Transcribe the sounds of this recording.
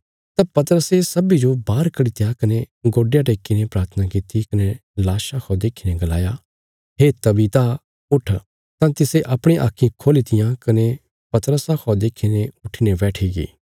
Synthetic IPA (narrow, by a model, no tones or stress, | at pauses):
t̪ãpɐt̪əɾəsesɐbid͡ʒobaːɾkɐɽit̪jakɐneɡoːɖejãʈ̬eːkinepɾaːɾt̪ʰənakɪt̪ikɐnelaːʃãkʰɔd̪eːkʰineɡɐla̰ːja | ɦeːt̪ɐbit̪a | ʊʈʰː | t̪ãt̪ɪseʔɐpɽ̃ĩʔa̰ːkʰːĩkʰoːlit̪ɪjãkɐne | pɐt̪ɾəsakʰɔd̪eːkʰineʊʈʰinebɛːʈʰiɡḭː